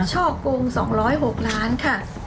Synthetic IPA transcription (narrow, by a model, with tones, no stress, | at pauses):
t͡ɕʰɔː˥˩kːoː˧ŋsɔ̰ː˩˦ŋɾɔː˦˥jɦo˨˩k̚laː˦˥nkʰa˥˩